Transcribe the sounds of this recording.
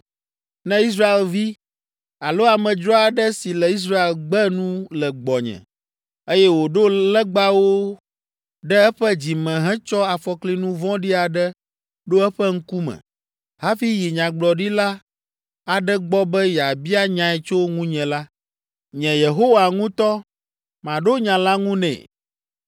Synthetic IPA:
nɛ̃˦i˦s̬ɾa˦e˨lvi˦ | a˨lo˦a˨mɛ̃˨d͡ʒɾɔ˦a˨ɖɛ˦si˨lɛ˨i˦s̬ɾa˦e˨lɡ͡bɛ˦nũ˦lɛ˨ɡ͡bɔ˨ɲɛ̰̃˨ | e˦jɛ˦wo˨ɖo˦lɛ˦ɡ͡ba˦wo˦ | ɖɛ˦ɛ˦ɸɛ˦d͡ʑi˨mɛ̃˨ɦɛ̃˦t͡ʃɔ˦a˨fɔ˨kli˦nũ˦vɔ̃˦ɖi˦a˨ɖɛ˦ | ɖo˦ɛ˦ɸɛ˦ŋ̩˦ku˦mɛ̰̃˨ | ɦa˦fi˦ji˨ɲã˨ɡ͡blɔ˨ɖi˦la˦ | a˨ɖɛ˦ɡ͡bɔ˦bɛ˦jɛ˨a˨bi˦a˦ɲã˨˦ɛ˨t͡ʃo˦ŋũ˦ɲɛ̃˨la˦ | ɲɛ̃˨je˨ɦo˦wa˨ŋũ˦t̪ɔ˦ | mã˨ɖo˦ɲã˨la˦ŋũ˦nɛ̰̃˨

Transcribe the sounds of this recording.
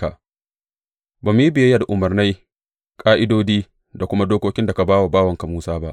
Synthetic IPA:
a̰˨ | baː˨m˨ji˦bɪ˨ja˦ja˦da˨ʔʊ˨mɐ˨rna˦j | kʼaː˦ʔɪ˦doː˦diː˦ | da˨kʷʊ˦ma˦doː˦kʷoː˦kʲɪ˦nda˨ka˨baː˦wa˨baː˦wɐ˨ŋka˨muː˦saː˦ba˦ʔ

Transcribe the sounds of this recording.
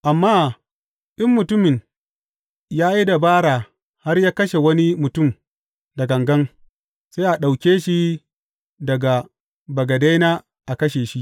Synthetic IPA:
ʔa˨mːaː˦˨ | ʔɪ˦mːʊ˨tʊ˦mɪ˨ŋ | jaː˦ji˦da˨baː˦ɽaː˨ | ha˦rjaː˦kɐ˦ʃe˨wɐ˦ni˦mʊ˨tʊ˦˨m | dɐ˨ɡɐ˨ŋɡɐ˦ŋ | sa˦jʔa˨ɗa˨wkʲeː˦ʃi˦ | dɐ˨ɡa˨ | bɐ˨ɡɐ˨da˦jnaː˦ | ʔa˨kɐ˦ʃeː˨ʃi˦ʔ

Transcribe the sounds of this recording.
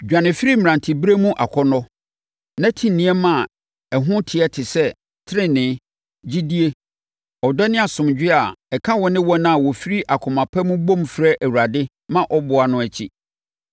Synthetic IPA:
d͡ʑᶣa˨nɪ̃˨fi˦ɾi˦m˨ɾã˨ntʰi˨bi˦ɾe˦mũ˦ʔa̰˨kʰɔ˦nɔ˦ | nã˦tʰĩ˦nːĩ˨˦ɛ˦mã˦˨ | ɛ˨ɦʊ̃˦tʰɪ˨ɛ˦tʰɪ˨sɛ˦ | tʰɪ˦ɪ̃˦nɪ̃˨˦ | d͡ʑi˦di˦e˦ | ɔ˨dɔ˦nɪ̃˦a˨sʊ̃˨md͡ʑᶣɪ˦a˨ɛ˨kʰa˦wɔ̃˦nɪ̃˦wɔ̃˦nã˦a˨wɔ˨fi˦ɾi˦ʔa˨kʰʊ̃˨mã˨pʰɛ˦mũ˦bõ˦mfɾɛ˦ʔæ˨wu˨ɾa˨dɪ˦ | mã˦ʔɔ˦bʊ˨a˨nʊ̃˦æ˨t͡ɕʰi˦

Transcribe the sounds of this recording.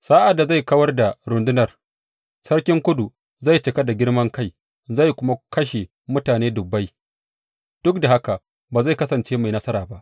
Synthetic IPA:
saː˦ʔa˨dːa˨za˦˨jkɐ˦wɐ˦rda˨ɾʊ˨ndʊ˦nɐ˨r | sɐ˦rkʲɪ˦ŋkʷʊ˦du˨ | za˦˨jt͡ʃɪ˨ka˦da˨ɡʲɪ˦ɽmɐ˦ŋka˦˨j | za˦˨jkʷʊ˦ma˦kɐ˦ʃe˨ | mʊ˦taː˨neː˦dʊ˨bːa˦j | d̥ʊ˦k̚da˨ha˦ka˨ʔ | baː˨za˦˨jkɐ˦sɐ˨nt͡ʃeː˦ma˨jnɐ˦sɐ˦ɾaː˨ba˦ʔ

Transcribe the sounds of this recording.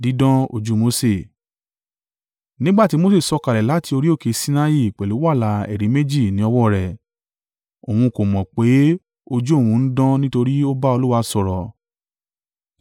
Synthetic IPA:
di˨˦dɔ̃˦o˧d͡ʒu˦mo˧˦se˦˨ | nĩ˦ɡ͡ba˦˨ti˨˦mo˦s̬e˦˨sɔ˧ka˨ɾɛ˨la˨˦ti˧o˧ɾi˦o˦˨ke˨˧si˦na˧ji˦˨k͡pɛ˨lu˨˦wa˦˨la˨˧ɛ̰˨ɾi˨˦me˦d͡ʒi˦˨nĩ˨˦ɔ˧wɔ˦˨ɾɛ˨ | o˨hũ˧ko˨mɔ̃˨k͡pe˨˦ | o˧d͡ʒu˦o˦˨wũ˧n̩˦dɔ̃˦nĩ˦to˧ɾi˦o˦ba˦o˧lu˦wa˧sɔ˧ɾɔ˨

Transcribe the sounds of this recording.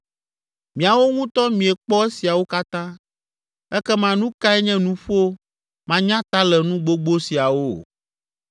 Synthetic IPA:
mĩ˨a˨wo˦ŋũ˦t̪ɔ˦mĩ˨ɛ˨k͡pɔ˦e˦si˨a˨wo˦ka˦t̪ã˦ | ɛ˦kɛ˦mã˨nũ˦ka˦ɛ˦ɲɛ̃˦nũ˦ɸo˦ | mã˦ɲã˦t̪a˦lɛ˨nũ˦ɡ͡bo˦ɡ͡bo˦si˨a˨wo˦

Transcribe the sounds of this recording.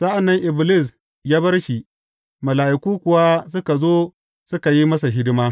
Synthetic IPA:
sa˦ʔa˨nːɐ˦ŋʔɪ˨blɪ˦˨s̬ | jaː˦bɐ˦rʃi˨ | mɐ˨laː˨ʔɪ˨kuː˦kʷʊ˨waː˦s̬ʊ˦ka˨zoː˦ | sʊ˦ka˨ji˦mɐ˦s̬a˨ɦɪ˦dɪ˦maː˦

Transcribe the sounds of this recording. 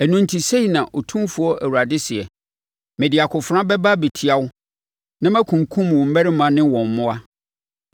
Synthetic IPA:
æ˨nũ˦n˦tʰi˨se˦i˨nã˨ʔo˨tʰũ˦mfʊ˨ɔ˦ʔæ˨wu˨a˨dɪ˦sɪ˨ɛ˨ | mɪ̃˨dɪ˨a˨kʰʊ˨fɾã˦bɛ˦ba˦bi˨tʰi˨a˦wʊ˦ | nã˦mæ̃˦kʰũ˨ŋ˨kʰũ˦m˨wɔ̃˨m̩˦mɛ˦ɾɪ˦mã˨nɪ̃˦wɔ̃˨m˨mʊ̃˦a˦

